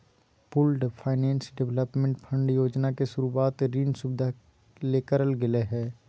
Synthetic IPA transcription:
pʊlɖpʰaːɪnẽːnsɖɪʋləpmẽɳʈpʰə̃ɳɖjoːd͡ʒnakesʊɾuaːt̪ɾiːnsubɪd̪ʱa | leːkəɾəlɡɪleɦɛː

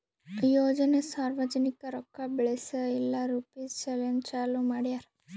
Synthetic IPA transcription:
joːd͡ʒɐnesaːɾʋɐd͡ʒɐnikɐɾɔkːabɭesɐilːaɾupit͡ʃelɐnt͡ʃaːlumaːɽijaɾ

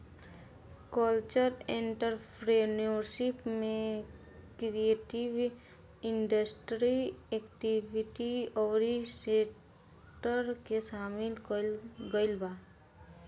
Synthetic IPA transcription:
kəlt͡ʃəɾẽɳʈəɾpʰɾenoɾʃɪpmẽ | kɾieːʈiʋ | ɪɳɖəsʈɾiekʈiʋɪʈiɔːɾisek | ʈəɾkesaːmɪlkɡəɪlbaː

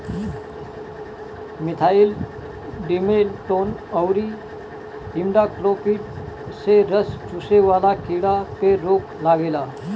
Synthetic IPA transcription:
mit̪ʰail | ɖimelʈonəwɾi | ɦimɖakɾopiʈ | seɾəst͡ɕuseʋalakʰiɽapeɾoklaɡela

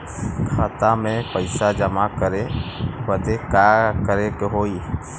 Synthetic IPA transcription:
kʰaːt̪amẽpəɪsad͡ʒəmakəɾewəd̪ekakəɾekoɦoːiː

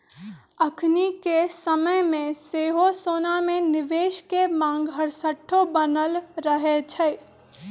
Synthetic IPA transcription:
əkʰnikesəməjmẽseːɦosoːnamẽnɪʋeːʃkemãːŋɡɦəɽsəʈʰːobənəlɾəɦet͡ʃʰə

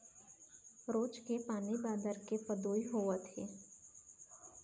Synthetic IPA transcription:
ɾoːt͡ʃkepaːnibaːd̪əɾkepɐd̪oːiɦoːʋət̪ḛː

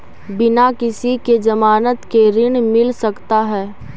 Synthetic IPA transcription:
bɪnakɪsiked͡ʒɐmaːnət̪keɾɪɽ̃mɪlsɐkt̪aɦɛː

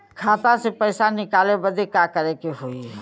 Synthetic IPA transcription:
kʰaːt̪ãsepəɪsanɪkaːlebəd̪ʱekakəɾekeɦoi

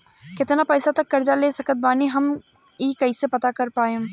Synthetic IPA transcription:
kɪt̪napɛːsat̪ɐkːɐɾd͡ʒaleːsɐkʰət̪̚baːniɦɐm | iːkɐisepɐt̪akɐɾpaːe

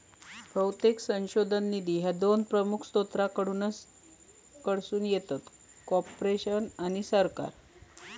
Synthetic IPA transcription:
bʱəwt̪eksə̃ɕod̪ʱənːid̪iːɦjad̪onpɾəmukʰst̪ot̪ɾakəɽuːnəs | kəɽsuːnjet̪at̪ | kɔpɾeɕənañisəɾka̰ɾ

